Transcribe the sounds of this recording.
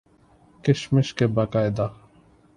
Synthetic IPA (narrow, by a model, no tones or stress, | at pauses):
kɪʃmɪʃkebakaːjd̪a